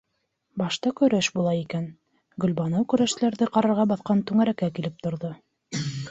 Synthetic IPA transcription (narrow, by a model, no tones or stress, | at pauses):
bɑʃt̪ɑkɵ̆ɾæʃbulˠɑikæn | ɡɵ̆lʲbɑnowkɵ̆ɾæʃlæɾðɘqɑɾɑɾʁɑbɑθqɑnt̪ʉŋæɾækækilɘp̚t̪ŏɾðo